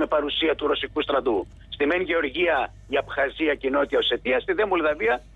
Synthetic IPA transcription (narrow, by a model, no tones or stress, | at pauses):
me̞pɐɾusiɐt̪uɾo̞sikust̪ɾɐd̪u | st̪imenʝe̞o̞ɾʝiɐ | iɐpxɐziɐcino̞t̪it̪ɐose̞t̪iɐst̪iðemolðɐviɐ